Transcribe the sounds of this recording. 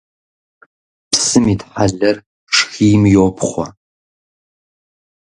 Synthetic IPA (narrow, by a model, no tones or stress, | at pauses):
psɨmiːdħaɮɐr | ʂxiːmjopʰχʷɔ